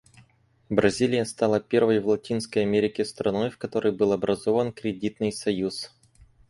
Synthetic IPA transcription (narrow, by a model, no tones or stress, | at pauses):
bɾɐzʲilʲɪjəst̪ɑlˠəpʲe̞rvəjvlˠɐtʲinskəjɐmʲeɾʲɪkʲɪst̪ɾɐno̞jfkɐt̪o̞ɾɨjbɨlˠɐbɾʔɐzovənkɾʲɪdʲit̪nɨjsɐjus